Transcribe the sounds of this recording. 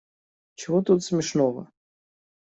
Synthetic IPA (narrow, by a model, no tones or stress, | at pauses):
t͡ʃɪvɔt̪ut̪sʲmʲɪʂnɔvɐ̰